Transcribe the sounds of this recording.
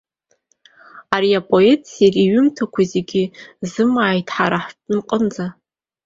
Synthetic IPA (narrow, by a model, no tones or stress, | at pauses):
aɾiapʼo̞e̞tʼʰsariɥʏmtʰakʷʰaze̞ɡʲɪzɨmaːjtʰħaɾaħtʼnɨmqʼənd͡za